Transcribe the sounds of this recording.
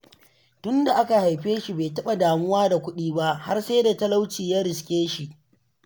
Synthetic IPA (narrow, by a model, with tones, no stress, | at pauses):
tʊ˦nda˨ʔa˦ka˨ha˨jɸeː˦ʃi˨beː˨tɐ˦ɓa˨daː˨mʊ˦waː˦da˨kʷʊ˦ɗiː˦ba˦ʔha˦rse˦jda˨tɐ˦la˦wt͡ʃiː˨jaː˦ɾɪ˨skʲeː˦ʃi˨ʔ